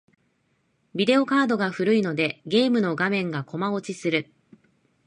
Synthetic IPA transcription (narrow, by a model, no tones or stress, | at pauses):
bʲid̪e̞o̞kaːd̪o̞ɡaɸɯ̟ɾɯ̟ino̞d̪e̞ɡe̞ːmɯ̟no̞ɡamẽ̞ŋɡako̞mao̞t͡ɕisɨɾɯ̟